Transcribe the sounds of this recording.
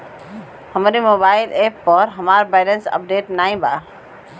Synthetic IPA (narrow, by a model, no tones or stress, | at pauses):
həmɾimobaɪlʔepːəɾɦəmaɾbaɪlənsə̰p̚ɖeʈnajba